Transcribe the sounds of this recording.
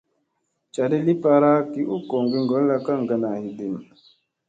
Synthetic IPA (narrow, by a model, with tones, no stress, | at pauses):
t͡ʃa˨de˦li˦pa˦ɾa˦ki˨˦ʔu˦ko˨ŋɡi˦ŋ˨ɡɔ˨˦lla˦ka˦˨ŋ˨ɡa˨na˨hi˨de˨n